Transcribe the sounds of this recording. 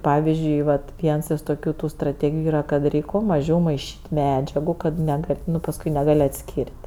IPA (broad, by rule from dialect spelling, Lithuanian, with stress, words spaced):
ˈpɑːʋʲɪzʲd͡ʒʲʊɪ ˈʋɐt ˈʋʲiɛns ɪʃ toːˈkʲuː tʊ strɐˈtʲeːɡʲɪjʊ ˈiːrɐ kɐt ˈrʲɛɪkʲ kuɔ mɐˈʒʲɛʊ mɐɪˈʃʲiːtʲ ˈmʲæːd͡ʒʲɛɡʊ kɐt nʲɛˈɡɐlʲ ˈnʊ pɐsˈkʊɪ nʲɛˈɡɐlʲ ɐtʲˈsʲkʲiːrʲtʲ